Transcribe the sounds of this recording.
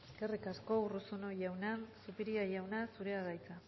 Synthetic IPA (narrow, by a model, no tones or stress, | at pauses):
eeske̞rikasko̞urusunojawnansupiɾiajawnasuɾe̞aɣajt͡sa